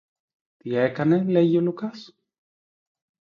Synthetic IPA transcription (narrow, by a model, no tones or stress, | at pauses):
t̪iekɐne̞leʝiolukɐs